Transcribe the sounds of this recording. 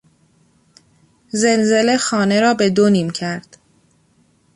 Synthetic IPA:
ze̞lze̞le̞xɒːne̞ɾɒːbe̞d̪oniːmcʰæɾd̪̥

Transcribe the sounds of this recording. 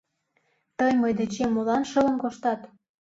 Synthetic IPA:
t̪əjməjd̪et͡ɕemːolɑnʃələ̆nkoʃt̪ɑt̪

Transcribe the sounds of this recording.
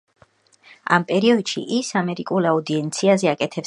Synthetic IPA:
a̰mpʼɛɾiɔd̪ʃḭʔisamɛɾikʼulaud̪iɛnt̪sʰiazɛakʼɛt̪ʰɛp

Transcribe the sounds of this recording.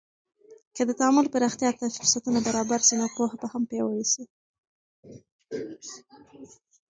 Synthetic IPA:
kəd̪ət̪aamʊlpəɾaxt̪jɑt̪afɪɾsat̪unabaɾɑbaɾsinopohabahampjɑwəwisi

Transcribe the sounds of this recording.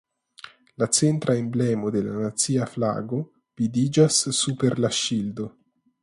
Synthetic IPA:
lat͡sent̪ɾʔaemblɛmod̪ela̰nat̪siafla̰ɡo | v̥id̪id͡ʒasːupeɾlaʃild̪o

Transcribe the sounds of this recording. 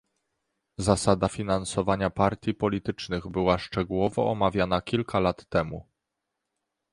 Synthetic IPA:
zasad̪afʲinansɔvaɲapaɾt̪ʲjipɔlʲit̪ɘt͡ʂnɘɣbɘwaʂt͡ʂɛɡuwɔvɔ̰ɔmavʲjanakʲilkalat̪ːɛmu

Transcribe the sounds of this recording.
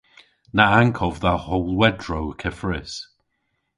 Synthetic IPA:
naaŋkʰɔvðahowlˠwɛdɹowkʰɛfɹɪs

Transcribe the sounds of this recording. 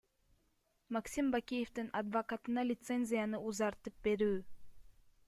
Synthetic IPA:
maksimbakʲije̞ft̪inad̪vokat̪ɯnɑlʲɪt̪se̞nʲzʲɪjanɯuzɑɾt̪ɯp̚be̞ɾyː

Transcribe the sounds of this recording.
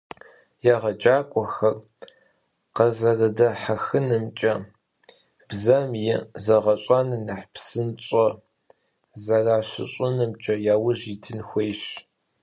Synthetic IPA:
jaʁɐd͡ʒʼaːkʷʼɔxɐr | qɐzɐrɨdɐħaxɨnɨmt͡ʃʼɐ | b̥zɐmjɪzɐʁɐɕʷʼanɨnaħpsɨnt͡ʃʼɐ | zɐraːɕɪ̰ɕʼʊnɨmt͡ʃʼɐjaːwʊʑitʰɨnxʷejɕ

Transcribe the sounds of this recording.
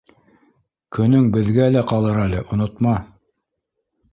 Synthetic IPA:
kɵ̆nɵŋbɘ̆ðɡælæqɑlˠɤɾælɘʔŏnŏt̪mɑ

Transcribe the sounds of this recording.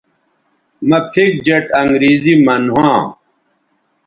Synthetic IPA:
mɐpʰik̚d͡ʑɐʈʰɐŋɡɾiːzimɐnɦãː

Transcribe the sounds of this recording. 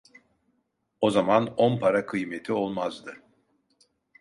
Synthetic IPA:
o̞zamanonpʰaɾakʰɯjmet̪ʰio̞lˠmazd̪ɯ

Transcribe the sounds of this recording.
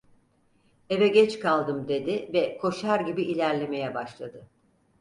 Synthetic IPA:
e̞vɛɟɛt͡ʃkʰalˠd̪ɯmd̪e̞d̪ɪvɛkʰo̞ʃaɾɟibiʔilʲæɾlʲe̞me̞jɛbaʃlˠad̪ɯ

